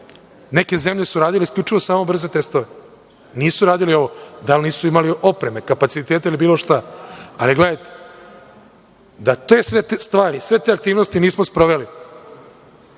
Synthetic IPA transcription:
neke̞ze̞mʎe̞suɾaːd̪ileiskʎʲut͡ʂiʋosaːmo̞br̩ze̞t̪e̞st̪o̞ʋe | niːsuɾaːd̪ilio̞ʋo̞d̪alniːsuimaliʔo̞pɾe̞me̞kapat̪sit̪eːt̪eilibiːlˠo̞ʃt̪aaliɡle̞d̪ajt̪e̥ | d̪at̪e̞ːsʋet̪est̪ʋaːɾisʋe̞t̪e̞ak̚t̪iːʋno̞st̪iniːsmospɾoʋe̞li

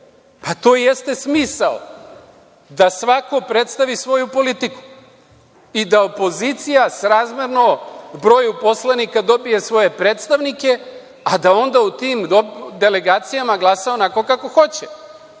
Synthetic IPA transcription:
pat̪oːje̞st̪e̞smiːsal | d̪asʋako̞pɾe̞t̪st̪aʋisʋo̞jupo̞lit̪iku̥ | id̪aopo̞zit̪sijasɾaːzmjeɾnobɾo̞ːjupo̞slˠanikad̪o̞bije̞sʋo̞je̞pɾe̞ːt̪st̪aʋnike̞ | ad̪ao̞nd̪aut̪iːmd̪od̪e̞le̞ɡaːt̪sijamaɡlˠasaonakokako̞xo̞t͡ɕe

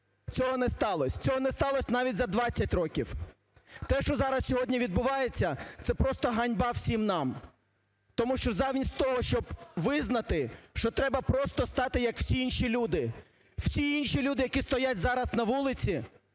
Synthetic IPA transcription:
t͡sʲɔɦɔnɛst̪ɑlˠɔsʲt͡sʲɔɦɔnɛst̪ɑlˠɔsʲnɑʋʲitʲzɐd̪ʋɑt͡sʲːɐtʲrɔkʲiw | t̪ɛʃt͡ʃɔzɑɾɐsʲsʲɔɦɔdʲnʲiʋʲid̪̚bʊʋɑjet͡sʲːɐt̪sɛpɾɔst̪ɔɦɐnʲbɑwsʲimnɑm | t̪ɔmuʃt͡ʃɔzɑʋnʲisʲtʲt̪ɔɦɔʃt͡ʃɔbʋɪznɐt̪ɪʃt͡ʃɔt̪ɾɛbɐpɾɔst̪ɔst̪ɑt̪ɪjɐkw̥sʲiinʃilʲud̪ɪ | w̥sʲiinʃilʲud̪ɪjɐkʲist̪ɔjatʲzɑɾɐsnɐʋulˠɪt͡sʲi

